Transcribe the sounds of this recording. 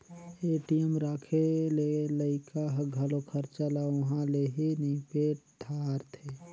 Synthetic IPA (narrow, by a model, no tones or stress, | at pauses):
eʈijəmɾaːkʰeleləɪkʰaɦɡʱəlokʰəɾt͡ʃalaʊɦãleɦinipeɖʱaɾt̪ʰe